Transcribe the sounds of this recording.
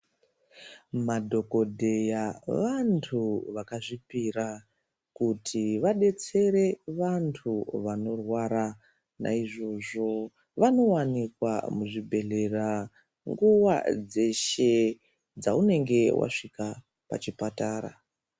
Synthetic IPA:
madʱo̞ko̞dʱe̞jaʋantʰuʋakaʐipira | kutʰiʋaɗe̞t͡se̞ɾe̞ʋantʰuʋano̞rwaɾa | na̰iʐo̞ʐo̞ | ʋano̞wanikwa̰muʐibʱe̞ɮe̞ra | ŋɡuwa̰d͡ze̞ʃe̞ | d͡zaune̞ŋɡe̞wʔa̰ʂika | pa̰t͡ʃipataːɾa̰

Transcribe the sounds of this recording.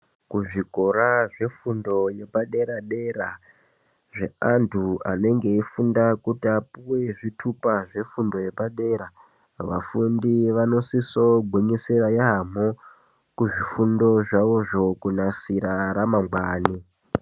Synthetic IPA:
kuʐiko̞ɾaʐe̞fundo̞je̞paɗe̞ɾaɗe̞ra | ʐe̞antʰua̰ne̞ŋɡe̞ifundakutapuwe̞ʐitʰupaʐe̞fundo̞je̞paɗe̞ɾa | ʋa̰fundiʋano̞siso̞ɡʱweɲiseɾajeɦam̤o | kuʐifundo̞ʐaʋoʐo̞kunasiɾaɾamamɡ͡bwaːni

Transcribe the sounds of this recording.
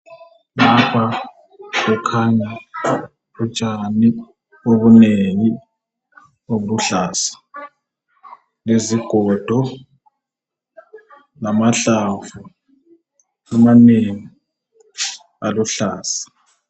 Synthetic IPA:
napʰa | βɛkʰaɲa | ut͡ʃʼani | oβuneŋi | oβuluɬaːsḁ | leziɡ̥ʱɔd̥ʱɔ | lamaɬafu | amaneŋi | aluɬaːsḁ

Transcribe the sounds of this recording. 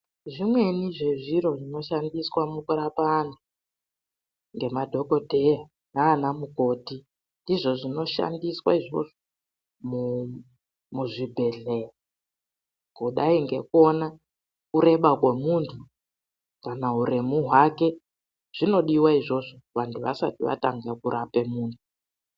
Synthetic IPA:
ʐimwe̞niʐe̞ʐiɾo̞ʐino̞ʃandiswamukuɾapanu | ŋɡe̞madʱo̞kodʱe̞ja | naːnamuko̞ti | ndiʐo̞ʐino̞ʃa̰ndiswa̰iʐo̞̰ʐo | mu | muʐibʱe̞ɮeja | kuɗaiŋɡe̞ko̞na | kuɾe̞ɓak̬wemuntʰu | kanauɾemuɦwake̞ | ʐ̥ino̞ɗiwaiʐo̞ʐoʋantʰuʋasa̰tiʋa̰taŋɡekuɾʔapemuːntʰu

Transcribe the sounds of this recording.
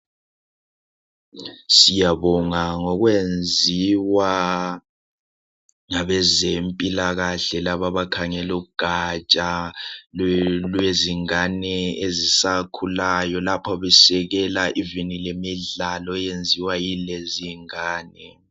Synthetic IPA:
sijaβɔŋaŋɔɣwend͡zʱiwa | ŋaβɛzempʼilaɣaɬɛlaβaβakʰaŋɛluuɡ̥ʱat͡ʃʼa | lweziŋanɛezisakʰulajɔlapʰɔβɛsɛɣɛlaʔivinilemiɮalɔjend͡zʱiwajileziŋaːnɛ

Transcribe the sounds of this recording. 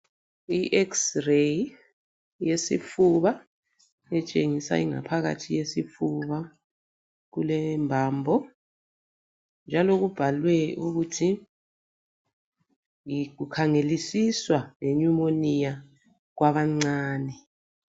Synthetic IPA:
iʔɛksrej | jesḭfuβa | ɛt͡ʃʼeŋisa̰iŋa̰pʰaɣa̰tʰijesifuβa | ɣulɛmbʱaːmbʱɔ | nd͡ʒʱaloɣub̥ʱalwɛuɣutʰi | ɣukʰaŋelisiswaŋeɲumonija | ɣwaβaŋ͡ǀaːnɛ

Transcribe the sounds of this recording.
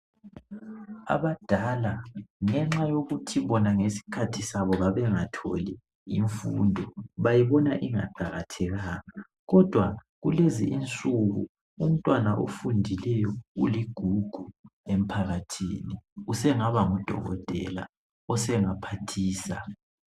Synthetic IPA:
a̰βad̥ʱalaŋɛŋ͡ǁajoɣutʰiβɔnaŋesi̥kʰatʰisaβɔβaβɛŋatʰo̰li | iɱfṵndʱɔβajiβɔnaʔiŋa̰ɡ͡ǃʱaɣatʰɛɣaɣa | ɣɔd̥ʱwa | ɣulezḭʔint͡sʼuɣṵ | um̩tʼwanaʔo̰fundʱilɛjɔṵliɡ̥ʱuɡ̥ʱuem̩pʰaɣatʰḭːniusɛŋaβaŋɔd̥ʱɔ̰ɣɔ̰tʼɛ̰la̰ | ɔsɛŋapʰatʰiːsa

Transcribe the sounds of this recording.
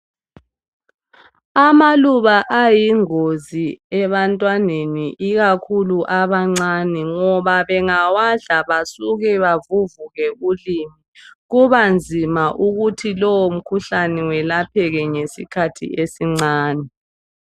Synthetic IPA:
amaluβaʔajiŋoziɛβantʼwaneniʔiɣakʰuluʔaβaŋ͡ǀanɛŋɔβaβɛŋawaɮaβasuɣɛβavuvuɣɛulimiɣuβand͡zʱimaʔuɣutʰilɔwom̩kʰuɬanɛwɛlapʰɛɣɛŋesikʰatʰḭesiŋ͡ǀaːnɛ

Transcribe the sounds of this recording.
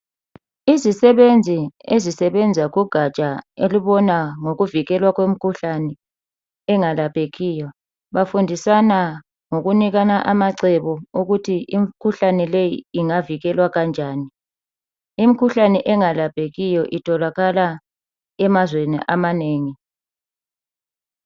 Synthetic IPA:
izisɛβend͡zʱiezisɛβɛnd͡zʱaɣuɡ̥ʱat͡ʃʼaeliβɔnaŋoɣuviɣɛlwaɣwem̩kʰuɬanɛ | ɛŋalapʰʼeɣiːjɔ | βafundʱisana | ŋoɣuniɣanaʔamaǀɛβɔuɣutʰiʔim̩kʰuɬanɛlejiːŋaviɣɛlwaɣand͡ʒʱaːni | imikʰuɬanɛʔɛŋalapʰʼeɣijɔʔitʰɔlaɣala | ɛmazwenḭʔamaneːŋi

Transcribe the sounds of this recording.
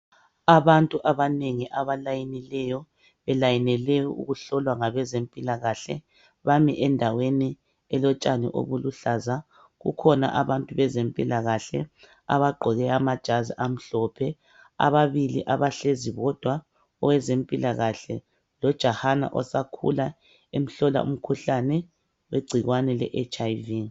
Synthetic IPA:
aβantʼuʔaβaneŋiʔaβalajinilɛjɔ | βɛlajinɛlɛjɔṵɣuɬɔlwaŋaβɛzempʼilaɣaɬɛ̰ | βamiʔɛndʱaweni | ɛlɔt͡ʃʼanḭʔo̰βuluɬaza | ɣṵkʰɔna̰ʔaβantʼuβɛzempʼilaɣaɬɛ̰ | a̰βaɡ͡ǃʱɔɣɛamad̥ʒ̥ʱaziʔam̩ɬɔpʰɛ | a̰βaβiliʔaβaɬeziβɔd̥ʱwa | ɔwɛzempʼilaɣaɬɛ̰ | lɔd̥ʒ̥ʱahana̰ʔɔ̰sakʰṵla | em̩ɬɔla̰ṵm̩kʰuɬanɛ | weɡ͡ǀʱiɣwanɛlɛ̰ʔet͡ʃʼajvi

